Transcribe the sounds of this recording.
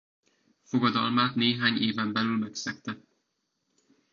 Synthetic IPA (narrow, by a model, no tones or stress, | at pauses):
fo̞ɡɒd̪ɒlmaːt̪neːɦaːɲeːvɛmbɛlylmɛksɛkt̪ɛ